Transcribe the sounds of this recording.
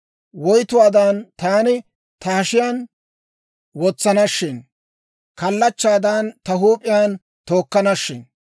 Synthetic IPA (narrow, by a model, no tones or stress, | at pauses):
wɔjt̪ʊwaːd̪ant̪aːnɪ | t̪ɐhɐʃɪjaːn | wɔt͡sːɐnɐʃːɪn | kɐlːɐt͡ʃːaːd̪aːnt̪ɐɦuːpʼːɪjaːn | t̪o̞ːkːɐnɐʃːɪn